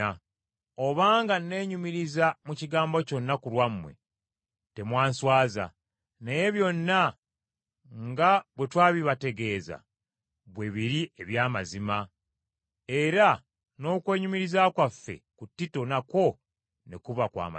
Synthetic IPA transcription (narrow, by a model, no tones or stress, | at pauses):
o̞βaːŋɡanːe̞ːɲumiɾizamuciɡaːmbo̞co̞nːakulwamːwe̞̰ | te̞mwaːnswaːza̰ | neje̞βjo̞nːa | ŋɡaβwe̞twaːβiβate̞ɡe̞ːza̰ | βwe̞βiɾieβjaːmazima | e̞ɾa | no̞ːkwe̞ːɲumiɾizakwafːe̞̰kutːito̞nako̞ | nekuβakwa̰ːm̰